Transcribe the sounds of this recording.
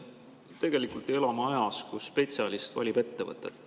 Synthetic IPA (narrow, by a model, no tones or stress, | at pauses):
t̪e̞ɡ̥e̞likult̪ˑe̞lɑmɑɑjɑskuspe̞t̪siɑlist̪vɑ̰lʲib̥e̞t̪ːevɤ̰t̪ːˑet̪